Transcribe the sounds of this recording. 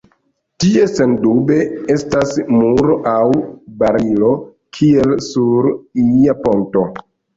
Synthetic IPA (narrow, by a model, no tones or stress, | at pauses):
tie̞se̞ndube̞e̞stasmuɾoʔawbaɾilo̞ | kʰie̞lsuɾiiapo̞nto̞